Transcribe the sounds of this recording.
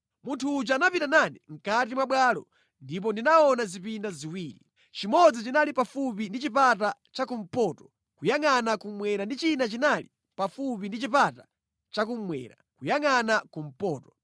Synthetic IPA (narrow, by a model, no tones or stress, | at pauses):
muntʰuːd͡ʒaanapitananiŋ̩katimwaɓwalɔ̰ | ndip̬ɔndinaɔnazipindaziwiːɾi | t͡ʃimɔd͡zit͡ʃinalipafupindit͡ʃipat̬a | t͡ʃakum̩pɔːtɔ̥ | kujaŋanakumwɛɾandit͡ʃinat͡ʃinali | pafupindit͡ʃipata | t͡ʃakumwɛ̰ɾa̰kujaŋanakum̩pɔːtɔ̥